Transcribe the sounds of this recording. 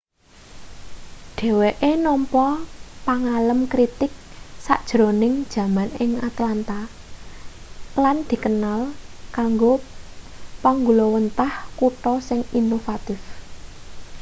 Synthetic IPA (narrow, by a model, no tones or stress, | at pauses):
ɖ̥e̤weʔenɔmpɔpaŋaləmkɾit̪ɪk̚sa̰ʔd̥ʒ̥ɾo̤nɪŋd̥ʒ̥ä̤manɪŋat̪lant̪a | land̪̥i̤kənalkaŋɡo | paŋɡulɔwənt̪ahkuʈ̪ɔsɪŋinofat̪ɪf